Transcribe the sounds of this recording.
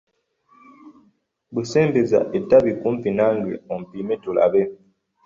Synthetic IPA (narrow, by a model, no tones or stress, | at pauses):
busɛmbeza̰ʔetabikum̩pinaŋɡwɛ̰ɔm̩pimɛtula̰bɛ